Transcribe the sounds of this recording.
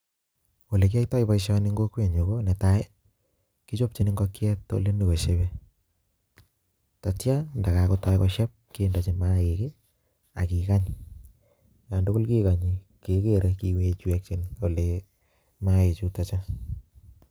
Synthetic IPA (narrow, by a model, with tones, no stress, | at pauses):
wo˨le˨k̬i˦a˦itɔ˦ipa˨iʃaniŋɡo˦kwe˨ɲo˨ko˦nɛ˨ta˦e˦ | ki˦t͡ʃo˦p̚t͡ʃi˨ni˦ŋɡɔ˦kjɛ˦tːo̰˦le˦ne˨ko˨ʃebe˦ | ta˨t͡ʃja˦nda˨ka˨kota˦jkɔʃja˦p̚keː˦nda˨t͡ʃimaeke˦ | a̰˨kika˦ɲ | ja˨ndo˦ko˦lki˦ka˨ɲi | kekeɾeki˨we˦t͡ʃu˦ɛ˦k̚t͡ʃi˦no˨le | mae˨t͡ʃu˦tat͡ʃa˦